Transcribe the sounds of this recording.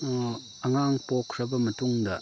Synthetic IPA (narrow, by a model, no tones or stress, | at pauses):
ɐŋaŋpokʰɾɐbɐmɐtuŋdɐ